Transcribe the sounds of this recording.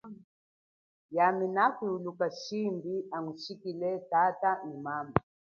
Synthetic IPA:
jaminakwuulukaʃimbiamuʃikilɛtataʔimama

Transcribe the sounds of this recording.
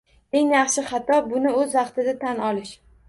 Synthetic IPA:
e̞ŋjɑχʃɪχɑt̪ʰɒbʊnɪɵzvɑqt̪ʰɪd̪at̪ʰanɒlɪʃ

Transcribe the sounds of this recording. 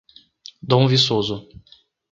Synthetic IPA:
d̪õw̃visozʊ

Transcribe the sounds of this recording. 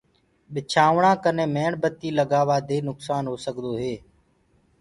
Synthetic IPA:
ɓɪt͡ʃʰaːʋɳãːkənẽːmeːɳɓət̪iːləɡaːʋaːd̪ʱeːnʊksaːnɦoːsəɠd̪oːɦeː

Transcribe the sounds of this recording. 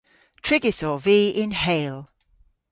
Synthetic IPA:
tʰɹ̥ɪɡɪsəviːɪ̃nheɪlˠ

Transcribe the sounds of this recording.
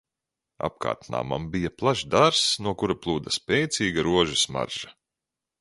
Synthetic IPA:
a̰p̚ka̰ːɾt̪na̰ːma̰mbijaplˠaʒd̪aɾsnuɔkuɾaplˠuːd̪aspʲɛjt̪sʲiːɡaɾuɔʒisma̰ɾʒ̥a

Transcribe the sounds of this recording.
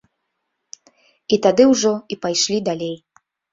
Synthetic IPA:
it̪ad̪ɨwʐɔipajʂlʲid̪alʲej

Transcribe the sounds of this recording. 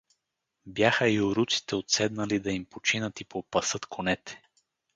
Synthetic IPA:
bjaxəioɾut̪si̥t̪ɛot̪sɛd̪nɐlid̪ɐimpot͡ʃinət̪ipopɐsɤt̪kʰonɛt̪ɛ̥

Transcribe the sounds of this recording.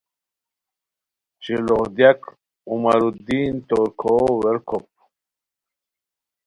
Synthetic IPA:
t͡ɕilohd̪jak | umaɾud̪iːnt̪oɾkʰoweɾkʰop̚

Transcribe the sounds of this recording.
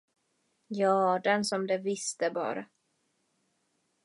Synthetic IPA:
jɑːd̪ɛnsɔmd̪ɛvɪst̪əbɑ̰ːɾa

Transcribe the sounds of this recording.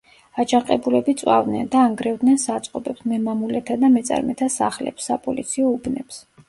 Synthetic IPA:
at͡ʃʰaqʼɛbulɛbit̪sʼwa̰vd̪nɛnd̪aːŋɡɾɛvd̪nɛnsat̪sʼqʼɔbɛpsmɛmamulɛt̪ʰad̪amɛt̪sʼa̰ɾmɛt̪ʰasa̰χlɛ̰psːapʼɔlit̪sʰiɔubnɛps

